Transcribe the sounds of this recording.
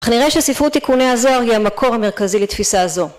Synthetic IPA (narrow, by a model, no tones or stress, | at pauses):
aχniʁeʃesifʁut̪ikuneazo̞aʁhihamakʰo̞ʁhame̞ʁ̞kazilet̪fisazo̞